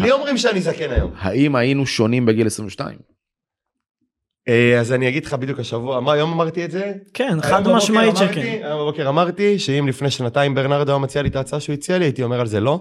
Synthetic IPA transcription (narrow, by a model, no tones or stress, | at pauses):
lio̞mʁimʃeanizakenajo̞̰mha̰imajinuʃo̞nimbeɡilesʁĩveʃta̰ḭm | eazaniaɡid̪leχabid̪jukhaʃavuamaːjo̞mamaʁt̪ietze̞kenamamaimkiajombabo̞keʁamaʁt̪iʃeimlifneʃnataimbe̞ʁnaʁd̪oomat͡sialit̪aːt͡saʃeuit͡sialiaitio̞me̞ʁalze̞lo̞